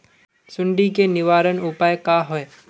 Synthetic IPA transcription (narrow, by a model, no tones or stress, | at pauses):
sʊ̃ɳɖikenɪʋaːɾənʊpaːjkaːɦoe